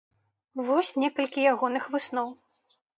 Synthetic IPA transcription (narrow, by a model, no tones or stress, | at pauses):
vɔsʲnʲɛkɐlʲkʲijaɣɔnɨxvɨsnɔw